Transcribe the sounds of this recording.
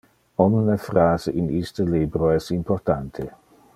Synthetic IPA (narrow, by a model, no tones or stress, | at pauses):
ɔnnəfraːzeʔinist̪əliːbɾoɛsimport̪ant̪ʰe